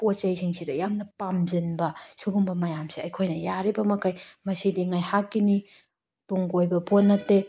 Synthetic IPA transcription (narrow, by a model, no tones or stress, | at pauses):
pot͡ʃɐjsʰiŋsidɐjamnɐpamzɯnbɐsuɡumbɐmɐjamsiɐjkʰojnɐjaɾibɐmɐkʰajmɐsidiŋajhakːini | tuŋɡojbɐponːɐtːe